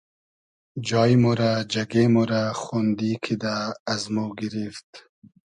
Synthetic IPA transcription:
d͡ʒɑjmoɾad͡ʒaɡemoɾaxond̪ikʰid̪aːzmoɡiɾift̪

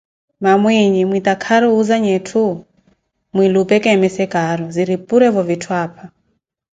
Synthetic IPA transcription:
mamwiɲimwit̪akʰaɾɔuzaɲɛtʰu | mwilupɛkɛmɛsɛkaɾɔziɾipuɾɛvɔvitʰwapʰa

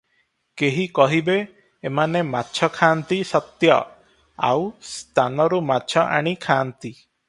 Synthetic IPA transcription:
keɦikɔɦibeː | manematːt͡ʃʰɔkʰant̪isɔt̪jɔ̰ | a̰wst̪ʰanɔɾumatːt͡ʃʰɔʔa̰ɽ̃ikʰaːnt̪i

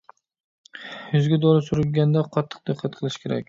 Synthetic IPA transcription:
jʊzɡʲad̪ɒɾɪsʊɾɪlɡʲand̪aqʰɑt̪ʰːɨ̥q̚d̪ɨqʰːɑt̪̚qʰɨlˠɪʃkʲʰeɾa̰kʲ

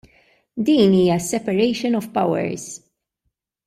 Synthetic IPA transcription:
d̪iːniːjɐsɛpɐɾɛjʃɔnɔfpɐwɛ̰ɾz̥

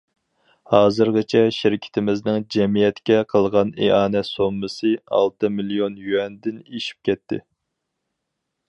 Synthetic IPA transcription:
hɑːzɨɾʁət͡ʃʰɛʃɪɾɪkʲʰɪ̥t̪ʰɪmɪznɪŋd͡ʒɛmijɛt̪kʲɛqʰəlˠʁɑneɑːnɛsomːɨsɨɑ̰lˠt̪ʰɨmilijonjyɛnd̪ɪneʃi̥p̚kʲɛt̪ʰːɪ̰

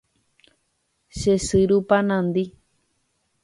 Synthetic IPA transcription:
ʃesɨɾupanãnd̪i

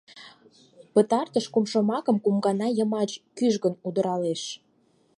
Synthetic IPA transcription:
pət̪ɑrt̪əʃkumʃomɑkəmkumɡɑnɑjə̆mɑt͡ɕkyʒɣənud̪əɾɑleʃ

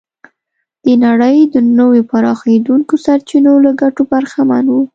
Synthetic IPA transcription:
d̪̥ənaɽəjd̪ənəwepaɾɑxed̪uŋkosaɾt͡ʃinolaɡaʈobaɾxama̰nwu

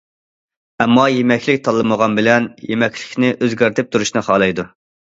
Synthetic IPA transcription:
ɛmːɑjemɛkʲʰlɪk̚ʲt̪ʰɑlˠːɨməʁɑnbɪlɛnjemɛkʲʰlɪkʲnɪʔøzɡʲæɾt̪ʰɪp̚t̪ʰuɾuʃnɨχɑːlˠɨjd̪u

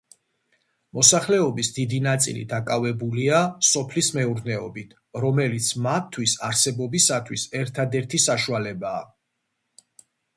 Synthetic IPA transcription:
mɔsaχlɛɔbisd̪id̪inat̪sʼḭlḭd̪akʼavɛbuliasɔpʰlismɛuɾnɛɔ̰bit̪ʰ | ɾɔmɛlit̪sʰmat̪ʰːwisaɾsɛbɔbisat̪ʰwisɛɾt̪ʰad̪ɛɾt̪ʰisaʃualɛbaː

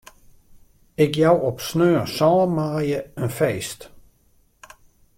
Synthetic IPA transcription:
ɪkjawɔpsnøːsɔːəmaːjəənfeːst

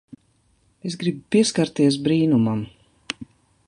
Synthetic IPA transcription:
esɡɾibpiɛskaɾt̪iɛs̬bɾiːnumam

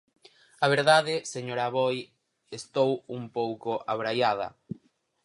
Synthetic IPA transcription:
aβ̞eɾðaðɪseɲoɾaβoj | est̪owumpowkoʔaβɾajað̞ɐ̰

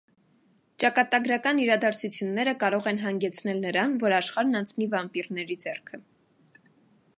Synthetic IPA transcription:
t͡ʃɑkɑt̪ɑɡɾɑkɑniɾɑd̪ɑɾt͡sʰut͡sʰjunːɛɾəkɑɾɔʁɛnɦɑŋɡɛt͡sʰnɛlnəɾɑnvɔɾɑʃχɑɾnɑnt͡sʰnivɑmpiɾnɛɾid͡zɛrkʰə

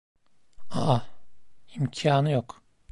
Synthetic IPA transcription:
aa | imcʰiaːnɯjok

